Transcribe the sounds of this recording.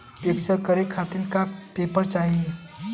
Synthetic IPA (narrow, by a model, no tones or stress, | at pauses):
peksəkəɾekʰːat̪inkapepəɾt͡ʃaːɦie